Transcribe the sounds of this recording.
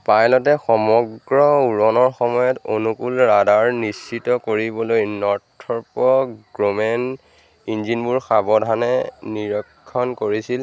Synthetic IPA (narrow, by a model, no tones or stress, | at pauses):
pajlɔtɛxɔmɔɡɹɔuɹɔnɔɹxɔmɔjɔtonukulɹadaɹnisːitɔkoɹibɔlojnɔɹtʰɔɹpɔɡɹomɛn | inzinbuɹxabɔdʱanɛniɹɔkʰːɔnkoɹisil